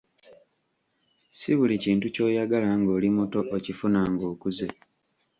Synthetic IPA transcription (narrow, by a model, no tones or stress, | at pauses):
siβuliciːntuco̞ːjaɡalaŋɡo̞ːlimoto̞ʔocifunaŋɡo̞ːkuze